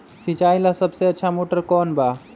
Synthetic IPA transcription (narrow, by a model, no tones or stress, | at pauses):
sit͡ʃajlasəbseətːʃʰamoʈəɾkɔnba